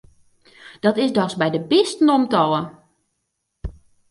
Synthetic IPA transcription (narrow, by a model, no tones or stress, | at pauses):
d̥ɔtɪsdɔsbɛjdəbɪstn̩omtɔlˠə